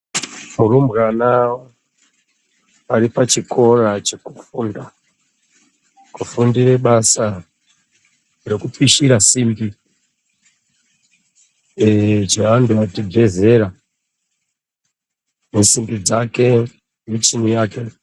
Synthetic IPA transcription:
muɾumbɣanawo | aɾipat͡ʃikʰo̞rat͡ʃe̞kufuːnda | kufundire̞ɓasa | re̞kupiʃiɾasimbi | t͡ʃeanduatib͡ve̞ze̞ɾa | nesimbid͡zake̞ | mit͡ʃinijaːke̞

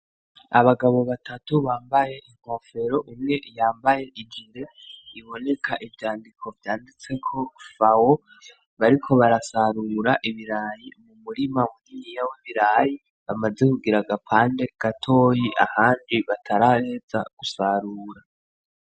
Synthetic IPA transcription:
a̰βaɡaβo̞βatʰatuβaːmbaje̞ʔiŋ̥o̞ːfe̞ɾo̞ʔumŋe̞jaːmbaje̞ʔid͡ʒiɾe̞ | iβo̞ne̞kʰaʔivjaːndikʰo̞vjaːndit͡se̞kʰo̞fawo | βaɾikʰo̞βaɾasaɾuɾaʔiβiɾaːjimumuɾimamuɡinijawoβiɾaji | βamaze̞kuɡiɾaɡapʰaːnde̞ɡ̥atʰo̞ːjiʔa̰haːndiβatʰaɾahe̞z̥a̰ɡ̥usaɾuːɾa

